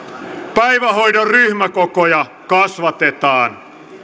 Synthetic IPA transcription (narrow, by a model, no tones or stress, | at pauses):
pæjʋæɦo̞jdɑrryhmækokojɑ | kɑsʋɑt̪et̪ɑːn